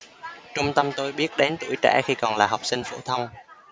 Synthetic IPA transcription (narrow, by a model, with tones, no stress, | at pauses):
t͡ɕʊ˧ŋ͡mt̪ə˧mt̪o˧jɓi˦˥ət̚ɗe˨˦nt̪ṵɨ̰˧˩əjt͡ɕa̰ː˧˥xi˧kɔ˨˩nlaː˨˩ɦa˨˩wk͡p̚sï˧ŋ̟fo̰˧˩t̪ʰə˧wŋ͡m